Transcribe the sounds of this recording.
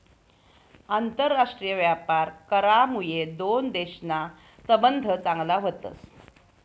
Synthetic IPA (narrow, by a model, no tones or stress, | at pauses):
ant̪əɾːaʂʈɾijəʋjapaɾkəɾamujed̪ond̪eɕna | səbənd̪ʱət͡saŋɡlaɦot̪ə̰s